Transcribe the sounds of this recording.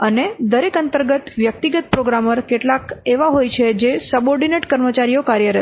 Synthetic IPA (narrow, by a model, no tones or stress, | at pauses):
əned̪əɾekənt̪əɾɡət̪ʋjək̚t̪iɡət̪̚pɾoɡɾaməɾkeʈlakeʋaɦojt͡ʃʰed͡ʒesəboɾɖineʈkəɾmət͡ʃaɾijokaɾjəɾə